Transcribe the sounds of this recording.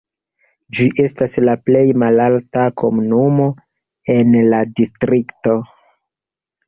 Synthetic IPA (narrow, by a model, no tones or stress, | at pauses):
d͡ʒiʔe̞staslaple̞jmalaltako̞munumo̞ | e̞nladistɾikto̞